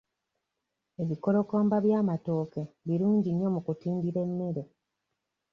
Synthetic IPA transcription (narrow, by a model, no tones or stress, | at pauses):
e̞βiko̞ɾo̞koːmbaβjaːmato̞ːke̞βiɾuːɲɟiɲːo̞mukutiːndiɾe̞mːe̞ɾe̞